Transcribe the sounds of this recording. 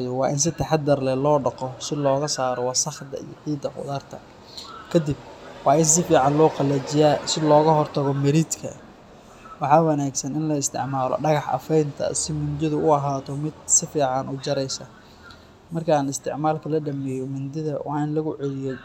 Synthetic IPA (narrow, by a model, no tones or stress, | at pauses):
jɔwɑːʔɪns̬ɪt̪ʰɐħɑd̪ɐrlɛlɔːɖɐqɔsɪlɔːɣɐsaːɾɔwɑːsɐχd̪ɐ̰ḭjɔ̰ʕiːd̪ɐqʊ̰ðaːrt̪ʰɐ̰ | kʰɐd̪ɪb̚wɑːɪns̬ɪfiːʕɑnlɔːqɑlɛːt͡ʃɪjaːsɪlɔːɣɐɦɔrt̪ʰɐɣɔmɐɾiːd̪kʰɐ̰ | wɑħɑːwɐnaːɡsɐnɪnlɐɪst̪ʰɪ̰ʕmaːlɔ̰ɖɐɣɑħɐ̰fɛjnt̪ʰɐ̰sɪmʊnd͡ʒ̪ɪðʊʊɐɦaːt̪ʰɔmɪd̪sɪfiːʕɑnʔʊt͡ʃɐɾɛjsɐ | mɐrkʰɐaːnɪst̪ʰɪ̰ʕmaːlkʰɐlɐɖɐmɛjɔmʊnd̪ɪðɐwʔɑ̰ːɪnlɐɣʊʕɛlɪjɔ